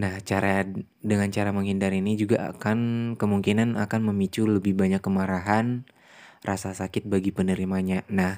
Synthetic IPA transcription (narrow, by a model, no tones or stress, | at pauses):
naht͡ʃaɾa | dəŋant͡ʃaɾaməŋɦindaɾinid͡ʒuɡaa̰kankəmuŋkinana̰kanməmit͡ʃuləbɪhbaɲakːəmaɾaɦan | rasasakɪt̪̚baɡipənəɾimaɲanah